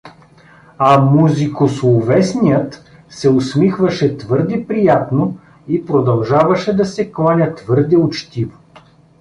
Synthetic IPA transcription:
ɐmuzikoslˠovɛsnijət̪ | sɛosmixvɐʃɛt̪vɤɾd̪ɛpɾijat̪no | ipɾod̪ɐlˠʒavɐʃɛd̪ɐsɛklˠanʲət̪vɤɾd̪ɛʊt͡ʃt̪ivo

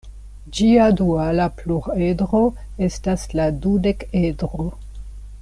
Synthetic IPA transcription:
d͡ʒiadualapluɾe̞dɾo̞ | e̞stasladude̞kedɾo

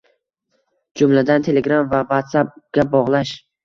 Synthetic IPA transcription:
d͡ʒʊmlad̪ant̪ʰe̞leɡɾamvavat̪sap̚ɡ̥ʲabɒʁlˠaʃ

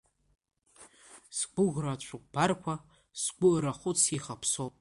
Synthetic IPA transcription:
sɡʷʊɣrat͡ɕʷʰʊq̚ʷʼbarkʷʰa | sɡʷʊʔɾaχʷʊt͡sʰiχapʰsopʼ

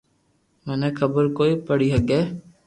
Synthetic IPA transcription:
mɛːnekʰəbəɾkoːipəɽiːɦəɡeː

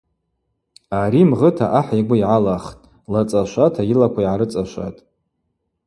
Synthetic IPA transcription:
aɾimʁətʰaʔaħiɡʷʊiʕalaχtʼ | lat͡sʼaʃʷatʰajilakʷʰaiʕaɾɨt͡sʼaʃʷa̰tʼ

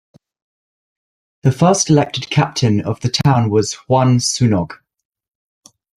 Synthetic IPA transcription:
ðəfɜˑstɪlɛk̚tɪd̚kʰa̰p̚tʰɪ̃nə̰vðətʰãʊ̃nwɒz̥wʌ̃nsʉnɒɡ̥

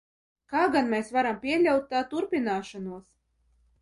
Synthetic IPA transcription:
kaːɡanmʲɛsvaɾampʲiɛlʲawt̪ːaːt̪uɾpʲinaːʃanuɔs

